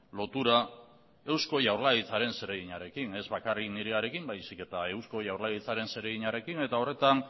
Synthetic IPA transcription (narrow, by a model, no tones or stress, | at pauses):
lo̞t̪uɾa | e̞wsko̞ʝawɾlaɣit͡saɾe̞nse̞ɾeɣiɲaɾe̞kine̞zβakarikniɾeaɾe̞kimbajsike̞t̪ae̞wsko̞jawɾlaɣit͡saɾe̞nse̞ɾeɣiɲaɾe̞kine̞t̪ao̞re̞t̪an